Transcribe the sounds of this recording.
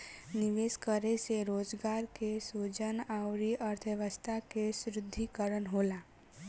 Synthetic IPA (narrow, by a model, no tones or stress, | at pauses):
nɪʋeskəɾeseɾoːd͡ʒɡaːɾkesud͡ʒənaʊɾiʔəɾt̪ʰəʋəst̪ʰakesɾɪd̪ʱːikəɾənɦoːla